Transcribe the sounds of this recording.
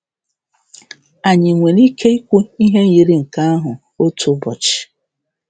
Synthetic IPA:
a˨ɲɪ˨ŋʷe˨ɾi˦kʰe˦i˦kʷe˦i˦ɦe˦ji˨ɾi˦ŋ̩˨ka˦a˦ɦʊ˨ | o˦tʊ˦bɔ˨t͡ʃɪ̥˨

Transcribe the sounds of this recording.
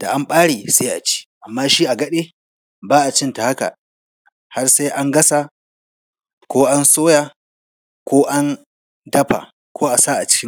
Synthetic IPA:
d̥a˨ʔa˦mɓaː˦ɽeː˨se˦ʔa˨t͡ʃi̥ː˦ʔa˨mːaː˦ʃiː˦ʔa˨ɡɐ˦ɗeː˦ | baː˦ʔa˨t͡ʃɪ˦nta˨ha˦ka̰˨ | ha˦rsa˦jʔa˦ŋɡɐ˦sa˨ | kʷoː˦ʔa˦nsoː˦jaː˨ | kʷoː˦ʔa˦n | dɐ˦ɸa̰˨ | kʷoː˦ʔa˨saː˦ʔa˨t͡ʃɪ̥˦kʲɪ˦

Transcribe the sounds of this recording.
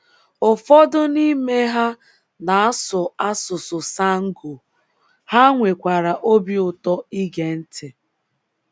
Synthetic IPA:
ʊ˨fɔ˦dʊ˦ni˦me˦ɦa˦ | na˨a˦sʊ˨a˦sʊ˨sʊ˨sa˦ŋ̩˦ɡo˨ | ha˦ŋʷe˨kʷa˨ɾa˨ʔo˦bi˦ʊ˨tɔ˦i˦ɡe˨n̩˦tʰɪ˨

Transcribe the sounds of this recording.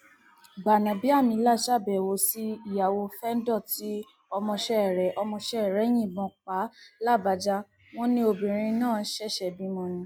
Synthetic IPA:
ba˨nã˨bi˦a˦˨mĩ˧˦la˦˨ʃa˦˨bɛ˨wo˧˦si˦i˦˨ja˨wo˧fɛ˦n̩˦dɔ˦˨ti˨˦ | ɔ˧mɔ̃˧ʃɛ˦˨ɾɛ˨˦ʔɔ˧mɔ̃˧ʃɛ˦ɛ˨ɾɛ˨˦j̃ĩ˦˨bɔ̃˨˧k͡pa˨˦la˦˨ba˧d͡ʒa˦ | w̃ɔ̃˦nĩ˧˦o˧bĩ˨ɾ̃ĩ˧nãː˦˨˦ʃɛ˦˨ʃɛ˧˨bi˨˦mɔ̃˧nĩ˧˦

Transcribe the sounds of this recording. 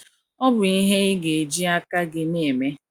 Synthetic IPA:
ɔ˦bʊ˨i˦ɦe˦ɪ˦ɡe˨e˨d͡ʒi˦a˦ka˦ɡɪ˦ne˦˨me˦

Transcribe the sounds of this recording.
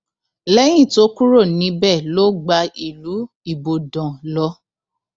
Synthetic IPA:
lɛ˦j̃ĩ˦˨to˦ku˦ɾo˦˨nĩ˨˧˦bɛ˦˨lo˦ɡ͡ba˧i˨lu˨˦ | i˦˨bo˨dɔ̃˨lɔ˧˦

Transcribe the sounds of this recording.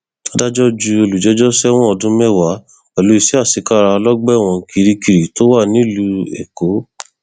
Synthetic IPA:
to˦da˦d͡ʒɔ˦d͡ʒu˧o˧lu˨d͡ʒɛ˨˦d͡ʒɔ˦sɛ˦w̃ɔ̃˦ɔ˧dũ˦mɛ˦˨wa˨˦ | ɛ˨lo˨˦i˧˨si˨˦a˦˨si˨˦ka˦˨ɾa˧lɔ˦ɡ͡bɛ˦˨w̃ɔ̃˧ki˧ɾi˦ki˧ɾi˨to˦wa˦˨nĩ˦lu˧ɛ̰˨ko˨˦

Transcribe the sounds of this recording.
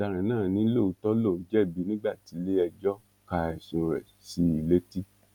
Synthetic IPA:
da˨˧ɾ̃ã˨˦nãː˦˨nĩ˨˦lo˦˨u˨˧tɔ˦lo˦˨d͡ʒɛ˦˨bi˨˦nĩ˦ɡ͡ba˦˨ti˨˦le˦ɛ˧d͡ʒɔ˦ | ka˧ɛ˨sũ˨˧ɾɛ̰˨ | si˨˦i˨le˦ti˦

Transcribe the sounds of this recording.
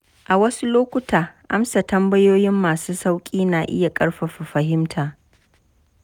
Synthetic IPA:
ʔa˨wɐ˦su˦loː˦kʷʊ˦taː˨ʔa˦msa˨tɐ˦mbɐ˦joː˦jɪ˦mːaː˨suː˦sa˦wkʲʼiː˦naː˨ʔɪ˦ja˨kʼɐ˦ɽɸɐ˨ɸi˨ɸɐ˨ɦɪ˦mtʰaː˨

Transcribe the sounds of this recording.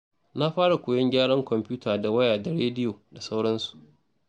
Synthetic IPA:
na˦ɸaː˦ɽa˨kʷoː˨jɐ˦ŋɡʲaː˦ɽɐ˦ŋkʷɔ˨mpʲuː˦taː˨da˨wɐ˦jaː˨da˨ɽeː˦dɪ˦joː˨da˨sa˦wɽɐ˦nsu̥˨ʔ

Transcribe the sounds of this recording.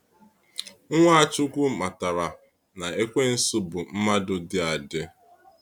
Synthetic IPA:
ŋʷa˦a˦˨t͡ʃʊ˦kʷu˦ma˨ta˨ɾa˨ | na˨e˦kʷe˦n̩˦sʊ˦bʊ˨m̩˦ma˦dʊ˦dɪ˦a˨dɪ˦

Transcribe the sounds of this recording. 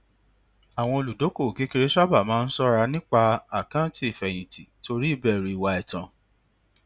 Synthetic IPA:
a˨w̃ɔ̃˧o˧lu˨do˨˦ko˦˨ke˨˦ke˧ɾe˦ʃa˦ba˦˨mãː˦˧˦n̩˦sɔ˦ɾa˧nĩ˦k͡pa˦˧a˦˨kã˦ti˦i˨fɛ˨j̃ĩ˨ti˨to˧ɾi˦i˦˨bɛ˦˨ɾi˨i˨wa˧ɛ˨tã˨

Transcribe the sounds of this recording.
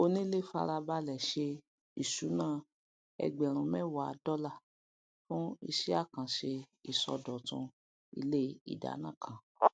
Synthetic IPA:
o˧nĩ˦le˦˨fa̰˧ɾa˧ba˦lɛ˨ʃe˧ | i˨ʃu˨˦nãː˦˨ | ɛ̰˧ɡ͡bɛ˨ɾ̃ũ˨mɛ̃˦wa˨˧˦dɔ˦la˦˨ | fũ˦ḭ˧ʃi˦a˦˨kã˨ʃe˧ | i˨sɔ̰˧dɔ˨tũ˧ | ḭ˧le˦ḭ˦˨da̰˨˦nã˦˨kʰã˨

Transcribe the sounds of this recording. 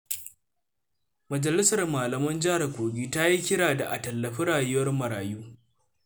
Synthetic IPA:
mɐ˨d͡ʒɐ˨lɪ˦sɐ˨rmaː˨lɐ˨mɐ˦nd͡ʒɪ˦ha˨rkʷoː˨ɡʲiː˦ta˦ji˦kʲɪ˦ɽaː˨da˨ʔa˨tɐ˨lːɐ˨ɸi˦ɽaː˨jʊ˦wɐ˦rmɐ˨ɾaː˨juː˦

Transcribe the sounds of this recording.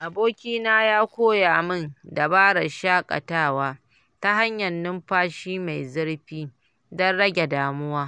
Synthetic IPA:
ʔa˨boː˦kʲiː˦naː˦jaː˦kʷoː˦ja˨ʔa˨mɪ˦˨nda˨baː˦ɽɐ˨ʃaː˦kʼa̰˨taː˦˨waː˦ | ta˦ɦa˦ɲjɐ˨nːɪ˦mɸaː˦ʃiː˦ma˨jzɪ˦ɽɸiː˦ | dɔ˦nɽɐ˦ɡʲe˨daː˨mʊ˦waː˦

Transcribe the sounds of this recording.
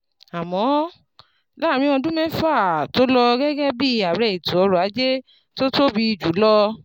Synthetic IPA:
a˨mɔ̃˨˦ | la˦˨ɾ̃ĩ˧˦ɔ̃˧dũ˦mɛ̃˦fa˦˨to˦lɔ˧ɡɛ˦ɡɛ˦bi˦˧a˨ɾɛ˨i˨tu˨ɔ˧ɾɔ˨a˨˦d͡ʒe˦ | to˦to˦bi˧i˧˨d͡ʒu˨˦lɔ˧

